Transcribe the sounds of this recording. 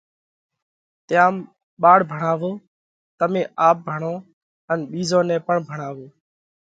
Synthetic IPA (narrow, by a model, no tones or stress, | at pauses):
t̪ɪjaːm | ɓaːɽbʱəɳaːʋoː | t̪əmẽːʔaːp̚bʱəɳõː | ənɓiːzoːnɛ̃ːpəɳbʱəɳaːʋoː